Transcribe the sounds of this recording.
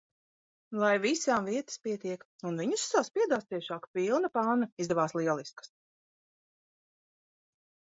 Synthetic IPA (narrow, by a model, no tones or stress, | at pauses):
lˠajvisaːmviɛt̪ə̥spiɛt̪iɛk | unviɲussaːspiɛd̪aːst̪iɛʃɑːkpilˠnapaːnɐizd̪ɛvaːslˠiɛlˠiskə̥s